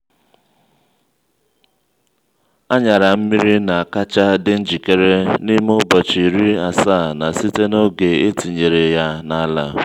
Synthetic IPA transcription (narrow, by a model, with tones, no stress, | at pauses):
a˦ɲa˨ɾa˨m̩˦mi˦ɾi˦na˨a˨ka˦t͡ʃa˦dɪ˦n̩˦d͡ʒi˨ke˦ɾe˦ni˦mo˦bɔ˨t͡ʃi˨ɾi˦a˨saː˦˨na˨si˦te˦no˦ɡe˨e˦ti˨ɲe˨ɾe˨ja˦na˨a˦la˦